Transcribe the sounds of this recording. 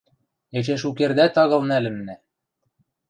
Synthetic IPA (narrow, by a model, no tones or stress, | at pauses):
et͡ɕeʃukerd̪æt̪ɑɣɤ̆lnælɘ̆mnæ